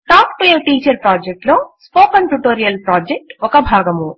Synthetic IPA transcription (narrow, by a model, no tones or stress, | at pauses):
ʈaːkʈueːʈiːt͡ʃɐɾpɾaːd͡ʒek̚ʈloːspoːkɐɳʈuʈoːɾijɐlpɾaːd͡ʒek̚ʈɔkɐbʱaːɡɐmu